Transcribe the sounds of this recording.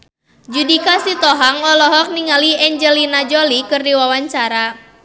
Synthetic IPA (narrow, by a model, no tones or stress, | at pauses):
d͡ʒudikasit̪ɔɦaŋɔlɔɦɔk̚niŋaliɛɲd͡ʒɛlinad͡ʒɔlikɨrdiwawaɲt͡ʃaɾa